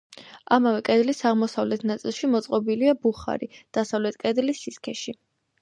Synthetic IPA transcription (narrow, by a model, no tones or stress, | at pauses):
amavɛkʼɛd̪lisaʁmɔsavlɛt̪ʰnat̪sʼilˠʃimɔt̪sʼqʼɔbiliabuχa̰ɾid̪̥asavlɛt̪ʰkʼɛd̪lisːiskʰɛʃi